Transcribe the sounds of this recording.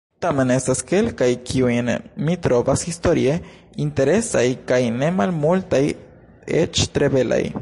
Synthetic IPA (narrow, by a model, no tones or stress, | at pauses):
tame̞ne̞staske̞lkajkʰiujnmitɾo̞vashisto̞ɾie̞ | inte̞ɾe̞sajkajne̞malmultaj | ḛt͡ʃt̪ɾe̞be̞la̰j